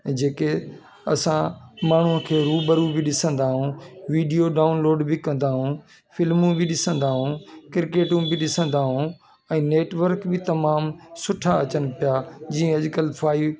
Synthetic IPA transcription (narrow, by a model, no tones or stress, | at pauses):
d͡ʑeːke | ɐ̰sãmaːɳ̤ʊɦə̃kʰeːɾuːbəɾubɪɗɪsə̃nd̪aːɦũʋiːɖijoɖaːunloːɖbɪkɐ̃nd̪aːɦũː | fɪlmũbʱɪɗɪsə̃nd̪aːɦũkɪɾkeːʈũbɪɗɪsə̃nd̪aːɦũː | ɛ̃ːneːʈʋəɾkbɪt̪ɐmaːmsʊʈʰaɐt͡ɕənpɪjad͡ʑiːə̃ɐʄkəlpʰaːi